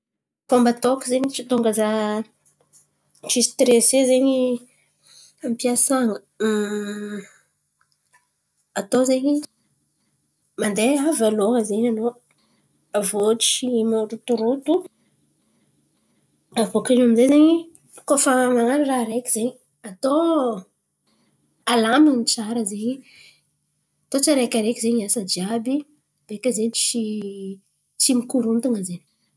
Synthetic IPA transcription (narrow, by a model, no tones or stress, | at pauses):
kombat̪okizeɲit͡ʃit̪oŋɡaza | ʈ͡ʂist̪ɾesezeɲi | ampiasaŋə | at̪ozeɲi | mand̪eavaloɦəzeɲano | avoʈ͡ʂimoɾut̪uɾut̪u | avokanaminzezeɲi | kofamaŋaɾiraɾekʲiz̥eɲi | at̪o | alaminit͡saɾəzeɲi | at̪ot͡saɾekʲaɾekʲizeɲiasəd͡ʒiabi | b̥ekəzeɲit͡ʃi | t͡simikuɾunt̪uŋəzeɲ